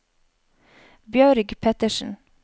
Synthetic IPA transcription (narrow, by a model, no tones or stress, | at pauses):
bjœːɾɪɡpʰɛt̪əʃn̩